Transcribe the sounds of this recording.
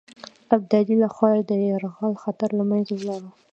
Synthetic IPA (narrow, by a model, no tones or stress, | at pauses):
ab̚d̪ad̪ilaxwɑjad̪əaɾɣɑlxat̪aɾlamanzewlɑɾa